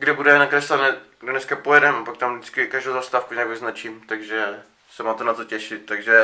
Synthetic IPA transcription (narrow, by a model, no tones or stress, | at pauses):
ɡdɪbudɛɛnakɾɛslad̪nɛɡdonɛskapojɛɾɛmapak̚t̪amdɪt͡skɪkaʒdowzast̪aːfkuɲaɡvɪznat͡ʃimt̪aɡʒɛ | sɛmaːt̪ɛnat̪ocɛʃɪt̪̚t̪aɡʒɛ